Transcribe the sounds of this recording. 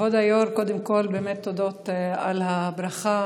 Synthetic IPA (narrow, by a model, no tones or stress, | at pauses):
od̪ajoɾkod̪emkolbeːmet̪ːod̪ot̪alhabɾaχa